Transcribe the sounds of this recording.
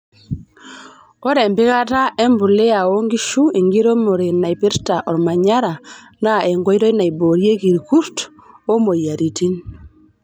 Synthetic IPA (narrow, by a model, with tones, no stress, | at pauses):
o˦ɾɛ˨mbɪ˦ka˦ta˦ʔe˦mbu˨le˦a˨o˦ŋɡi˦ʃu˦e˨ŋɡi˦ɾo˦mo˨ɾe˨na˨i˨pe˦ɾta˨ʔɔ˨ɾma˨ɲa˦ɾa˨ | na˦e˨ŋɡɔ˦i˦ɾɔ˦i˦na˨i˨bo˨ɾje˦ki˨ɾku˦ɾt | o˦mo˨ja˨ɾi˨ti˦n